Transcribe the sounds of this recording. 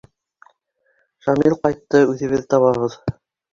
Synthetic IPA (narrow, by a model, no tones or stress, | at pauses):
ʃɑmilˠqɑjt̪ːɤʉðɘ̆βɘðt̪ɑβɑβɤð